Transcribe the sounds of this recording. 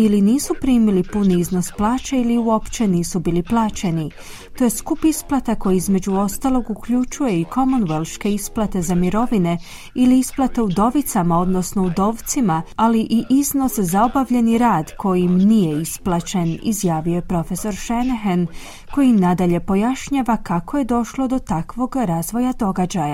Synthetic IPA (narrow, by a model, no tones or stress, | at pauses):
iliniːsupɾiːmilipuniizno̞splaːt͡ɕeiliuo̞pt͡ʃe̞niːsubiːliplˠaːt͡ʃe̞ni | t̪o̞je̞skupisplˠat̪ako̞jiizme̞d͡ʑuo̞st̪alˠo̞ɡukʎut͡ʃuje̞ikʰo̞monʋelˠʃke̞isplˠat̪e̞zamiɾo̞ʋine̞ | iliisplˠat̪e̞ud̪o̞ʋit̪samao̞d̪no̞sno̞ud̪o̞ːʋt̪simaaliʔiʔizno̞szao̞baʋʎe̞niɾaːd̪kʰo̞jimnijeisplˠat͡ʃe̞nḭzjaːʋijojepɾo̞fe̞so̞ɾʃeneɦen | ko̞jimnad̪aʎe̞po̞jaʃɲaːʋakakoje̞d̪o̞ʃlˠo̞d̪o̞t̪akʋo̞ɡɾaːzʋo̞jad̪o̞ɡad͡ʑaja